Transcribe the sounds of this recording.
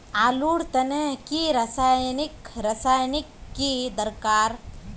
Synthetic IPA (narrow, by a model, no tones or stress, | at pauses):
aːluːɽt̪ɐneɦkiɾasaːjnɪkɾasaːjnɪkːid̪əɾkaːɾ